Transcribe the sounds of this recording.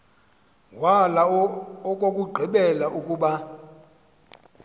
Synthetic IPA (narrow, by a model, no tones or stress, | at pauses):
walaɔkʼokʼuɡ͡ǃʱiɓɛlaʔukʼuːɓa